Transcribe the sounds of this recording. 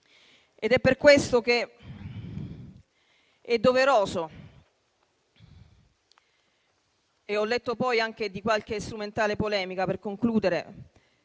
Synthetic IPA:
ed̪ɛpːerkwest̪ok̟e | ɛd̪ːoveɾoːzo | eɔlːet̪ːopɔjaŋk̟ed̪ikwalk̟est̪ɾument̪aːlepolɛːmikaperkoŋkluːd̪eɾe

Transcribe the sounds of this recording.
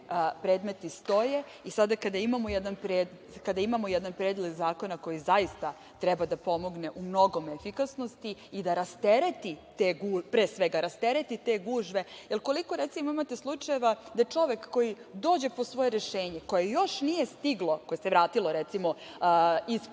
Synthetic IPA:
pɾeːd̪me̞t̪ist̪o̞je̞ | isad̪akad̪aimamojɛd̪anpɾeːd̪ | kad̪aimamojɛd̪anpɾeːd̪lˠeɡzaːko̞nako̞jizaist̪a | t̪ɾɛbad̪apo̞mo̞ɡne̞ʔumno̞ɡo̞mefikasno̞st̪iid̪aɾast̪eɾet̪it̪eːɡuːpɾeːsʋeɡaɾast̪eɾet̪it̪e̞ːɡuːʒʋe̞jelˠko̞liko̞ɾet̪simoimat̪eslˠut͡ʂaje̞ʋad̪aet͡ʂo̞ʋe̞kːo̞jid̪o̞ːd͡ʑe̞po̞sʋo̞jeɾeʃeːɲe̞ko̞jejo̞ʃnije̞st̪iɡlˠo̞ko̞jeseʋɾaːt̪ilo̞ɾet̪simo̞ | is

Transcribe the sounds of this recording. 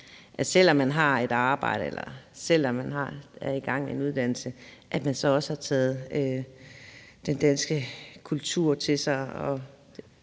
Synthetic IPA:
ʔæsel̰ɒ̽mːænɦɑ̈e̝d̥ɑ̈ːb̥ɑ̈ɪ̰ɾ̥əelɐ̰sel̰ɒ̽mːænɦɑ̈æɐiɡ̥ɑ̈ŋ̰enuð̞ˠd̥æn̰l̩səʔæd̥mænsɒ̽ɒ̽səhɑ̈t͡sʰɛːð̞̩ˠø | d̥end̥ænsɡ̥əkʰult͡sʰuɐ̰t͡sʰe̝sɑ̈ɪɒ̥̽

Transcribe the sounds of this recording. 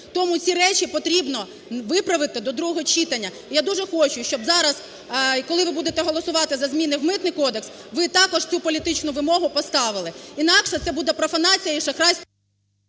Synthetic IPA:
t̪ɔmut͡sʲiɾɛt͡ʃʲipɔt̪ɾʲibnɔ | ʋɪpɾɐʋɪt̪ɪd̪ɔd̪ɾuɦɔɦɔt͡ʃit̪ɐnʲːɐijad̪uʒɛxɔt͡ʃʊʃt͡ʃɔbzɑɾɐz | kɔlˠɪʋɪbud̪et̪ɛɦɔlˠɔsʊʋɑt̪ɪzɐzmʲinɪwmɪt̪nɪjkɔd̪eks | ʋɪt̪ɑkɔʒt͡sʲupɔlʲit̪ɪt͡ʃnʊʋɪmɔɦʊpɔst̪ɑʋɪlˠɪinɑkʃɛt̪sɛbud̪ɛpɾɔfɐnɑt͡sʲijɐiʃɐxɾɑsʲ

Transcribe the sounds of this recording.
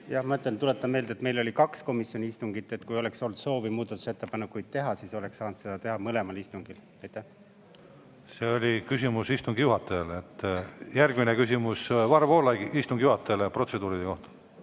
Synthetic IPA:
jɑhmɑt̪lent̪ulet̪ːˑɑmmeːld̪e̞t̪me̞jlo̞lʲikɑksko̞misjo̞nʲiist̪uŋɡ̥it̪ːˑe̞t̪ːkujo̞le̞kso̞lt̪so̞ːvimuːd̪̥ɑt̪ːˑu̥se̞t̪ːepɑnekːˑujd̪̥̚t̪e̞ɦɑsiso̞le̞ksɑːnd̪se̞d̪̥ɑt̪e̞ɦɑmɤle̞mɑlist̪uŋɡ̥il | ɑjt̪ːæh | se̞ːolʲikysʲimusist̪uŋɡijuɦɑt̪ːˑɑlet̪ːjæɾɡ̥minekysʲimusvɑrvo̞ːlɑɡiist̪uŋɡijuhɑt̪ːˑelepro̞t̪se̞d̪uːɾid̪eko̞ht̪ɑ̥

